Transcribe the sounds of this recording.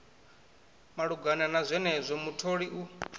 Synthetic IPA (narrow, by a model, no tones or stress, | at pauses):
maɺuɡananazʷɛnɛzʷɔmutʰoɺiʔu